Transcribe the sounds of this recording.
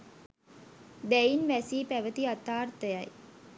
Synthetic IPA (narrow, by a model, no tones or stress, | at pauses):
d̪æinʋæsiːpæʋət̪iat̪aːrt̪əjaj